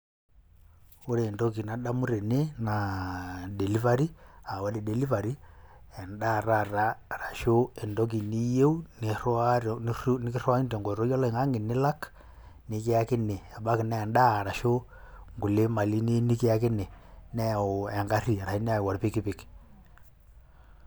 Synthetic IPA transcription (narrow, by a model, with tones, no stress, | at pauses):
o˦ɾeː˨ndɔ˦ki˨na˨ɗa˦mu˦ɾe˨ne˦na˨de˨li˦va˦ɾi˦a˨wa˨˦di˨de˨li˦va˨ɾi˦ɛ˨nda˦˨ɾa˦ra˦ɾa˨ʃo˦ɛ˨ndɔ˦k̬i˨ni˦je˦u˦ne˨raɾn˦ni˦ki˦rwa˦i˦nde˨ŋɡɔ˨ɾo˦jɔ˦lɔ˦i˨ŋɡa˦ŋe˨ne˦la˦k | ni˨ke˦a˦ke˦ne˨ɛ˨ɓa˦ki˨nɛː˦˨nda˦˨ɾa˨ʃo˦ | ŋɡu˨le˦ma˨li˦ne˦ni˦ki˦a˦ke˦ne˨nɛ˦˨o˨ɛ˨ŋɡa˦ɾi˨ɾa˨i˦ne˦a˦˨wa˨ɾpi˦ki˦pi˨k